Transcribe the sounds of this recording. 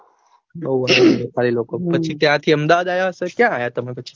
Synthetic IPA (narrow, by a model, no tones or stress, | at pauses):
boʋadepalilokopət͡ʃʰit̪jãt̪ʰiəmd̪aʋad̪ajaɦəsek̪jãːjat̪əmepət͡ʃʰi̥